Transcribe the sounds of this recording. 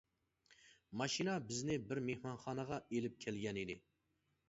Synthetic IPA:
mɑʃinɑbɪznɪbɪɾmehmɑnχɑːnəʁɑelɪp̚kʲʰɛlɡʲɛnid̪ɪ

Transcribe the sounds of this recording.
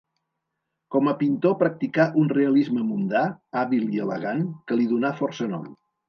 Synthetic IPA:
kɔməpint̪opɾək̚t̪ikaʔunreəlizməmund̪aaβilˠiələ̰ɣankəliðunafɔrsənɔ̰m

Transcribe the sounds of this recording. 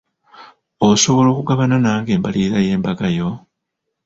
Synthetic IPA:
oso̞βo̞lo̞ːkuɡaβananaːŋɡe̞ːmbaliɾaje̞ːmbaɡajo̞

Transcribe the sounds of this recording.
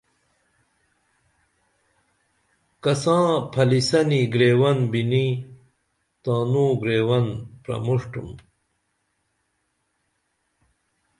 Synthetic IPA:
kɐsãːpʰɐlisɐniɡɾeːwɐnbini | t̪ãːnũːɡɾeːwɐnpɾɐ̰muʂʈṵm

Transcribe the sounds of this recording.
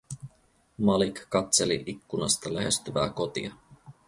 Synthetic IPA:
mɑlikːɑt̪se̞lḭʔikːunɑst̪ɑlæɦe̞st̪yʋæːko̞t̪ḭɑ

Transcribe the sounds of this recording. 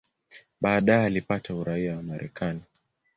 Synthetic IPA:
ɓaːɗaɛalipatauɾaiawamaɾʔɛ̰kʰani

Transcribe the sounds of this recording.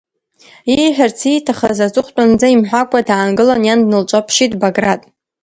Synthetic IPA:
iħʷᶣart͡sʰitʰaχazat͡sʼɨχʷtʷʼand͡zaimħʷᶣakʷʰʼadaːnɡɨlanjandnɨlt͡ʃʷʼapʰʃitʼbaɡratʼ

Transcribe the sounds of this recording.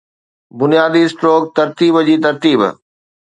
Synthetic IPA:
bʊnijaːd̪isʈɾoːk̚t̪ɐɾt̪iːbd͡ʑiːt̪ɐɾt̪iːb̰

